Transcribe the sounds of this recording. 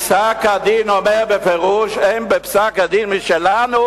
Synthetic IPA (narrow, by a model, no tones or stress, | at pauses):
sakad̪iːnɔmɛbɛfɛʁuːʃɛmbɛpsakad̪iːnmiʃɛlano